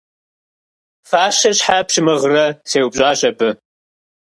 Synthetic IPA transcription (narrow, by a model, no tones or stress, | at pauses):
faːʃɐɕħapɕɪmɨʁrɐseːwbʒʷʼaːɕʼɐpʰʼɨ